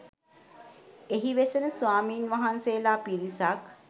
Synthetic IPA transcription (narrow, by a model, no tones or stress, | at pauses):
eɦiʋesənəsʋaːmiːnʋaɦanseːlaːpiɾisak